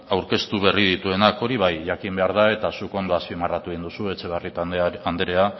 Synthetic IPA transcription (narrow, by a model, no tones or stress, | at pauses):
awɾke̞st̪uβ̞e̞rið̞it̪ue̞nako̞ɾiβ̞ajʝakimbe̞aɾð̞ae̞t̪asuko̞nd̪oaspimarat̪ueɣind̪usue̞t͡ʃe̞βarit̪aand̪eɾe̞a